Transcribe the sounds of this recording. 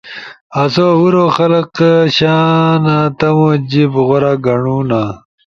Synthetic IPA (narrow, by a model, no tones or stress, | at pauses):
ɐsouɾoːxɐlɐqɕaːnat̪ɐmod͡ʑibɣoɾaːɡɐɳuːna